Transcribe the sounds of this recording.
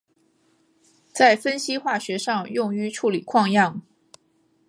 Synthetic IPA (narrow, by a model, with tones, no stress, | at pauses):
t͡sa˥˩ɪfə˥nɕi˥xwa˥˩ɕɥɛ˧˥ʂɑ˥˧ŋjʊ˥˩ŋy˧˥ʈ͡ʂʰu˥˩li˨˩kʰwɑ˥˧ŋjɑ˥˩ŋ